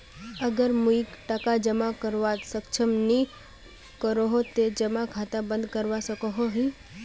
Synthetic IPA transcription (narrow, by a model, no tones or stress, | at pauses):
əɡəɾmuikʈakad͡ʒəmakəɾʋat̪səkt͡ʃʰəmni | kəɾoɦot̪ed͡ʒəmakʰat̪abə̃nd̪kəɾʋaʃəkoɦoɦi